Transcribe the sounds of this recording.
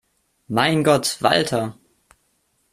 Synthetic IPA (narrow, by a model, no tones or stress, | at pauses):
maɪnɡɔtv̥a̰ltʰɐ